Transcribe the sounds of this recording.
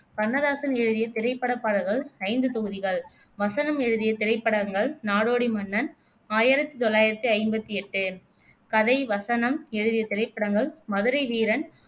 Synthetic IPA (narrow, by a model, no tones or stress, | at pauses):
kɐɾnɐðaːsɐnɛɻɯðɪjɐt̪ɪɾɐɪpːɐɽɐpːaːɽɐɣɐɭɐɪnd̪ɯt̪ɔɣɯðɪɣɐɭ | ʋɐsɐnɐmɛɻɯðɪjɐt̪ɪɾɐɪpːɐɽɐŋɡɐɭnaːɽoːɽimɐnːɐn | aːjɪɾɐt̪ːɯt̪ɔlːaːjɪɾɐt̪ːɯɐɪmbɐt̪ːɯɛʈːɯ | kɐðɐɪʋɐsɐnɐmɛɻɯðɪjɐt̪ɪrɐɪpːɐɽɐŋɡɐɭmɐðɯɾɐɪʋiːɾɐn